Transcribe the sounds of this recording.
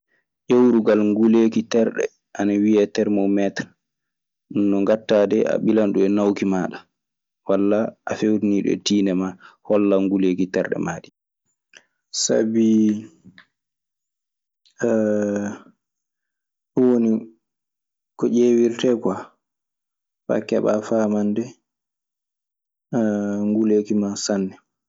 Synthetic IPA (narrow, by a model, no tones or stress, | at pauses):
ʔewɾuɡalŋɡulekitɛɾɗɛ̰ | ʔanawiɛtɛɾmɔwmɛtɾa | nːɔŋɡatːaːdɛʔa̰ɓilanɗuɛnawkimaːɗa | walːaʔafewɾiniːɗɛ̰tiːnɛmahɔlːaŋɡulekitɛɾɗɛ̰maːɗi | sa̰bi | ɗwoni | kɔʔewiɾtɛkwa | fa̰kɛɓafaːmandɛ | ŋɡuleːkimasanːɛ